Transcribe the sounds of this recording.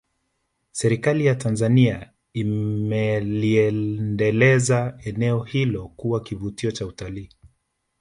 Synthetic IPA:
sɛɾikalijatanzania | imɛliɛndɛlɛzaɛnɛɔhilɔkuwakivutiɔt͡ʃautaliː

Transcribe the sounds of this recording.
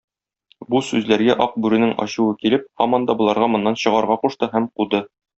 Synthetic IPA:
busʉzlæɾɡæʔɒq̚bʉɾɘ̆nɘŋɒ̰ɕŭwɤkilɘp̚hɒ̰mɒnd̪ɑbŏlˠɑɾʁɑmŏnːɑnɕɤ̆ʁɑɾʁɑquʃt̪ɤɦæmqud̪ɤ

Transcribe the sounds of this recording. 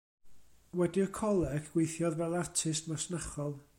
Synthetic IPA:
wɛdiɔkʰɔlˠɛɡɡ̥wejθjɔðvɛlˠartʰɪstmasnaχɔlˠ

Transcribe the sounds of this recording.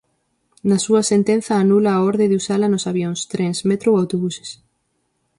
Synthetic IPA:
nɐsuɐsent̪en̟θɐːnulaːɔɾðeðusalɐnosaβjoŋst̪ɾensmet̪ɾowawt̪oβuse̥s

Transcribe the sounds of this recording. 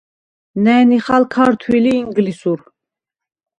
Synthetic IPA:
nɛniχalkʰaɾt̪ʰwiliːŋɡlisuɾ

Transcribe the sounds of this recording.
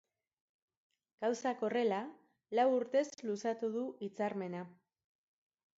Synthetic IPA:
ɡ̥awsako̞re̞la | lawuɾt̪e̞zlusat̪uð̞uʔit͡saɾme̞na

